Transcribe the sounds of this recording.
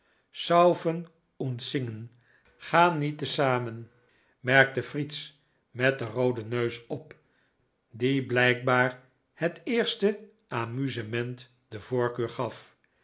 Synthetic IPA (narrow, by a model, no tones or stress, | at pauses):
sʌwfən | ɔntsɪŋən | χaːnːitəsaːmən | mɛɹk̚təfrits | mɛt̚dərowdənøɥsɔp | diblɛjk̚baːɹ | hətɪːɹstə | ʔaːmyzəmɛnt | dəvoːɹkøːɹχɑf